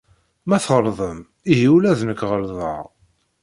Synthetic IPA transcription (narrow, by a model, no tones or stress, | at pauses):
mæθəɾˤðˤəm | iɦiwlæðnəkːʁəlðˤə̰ʁ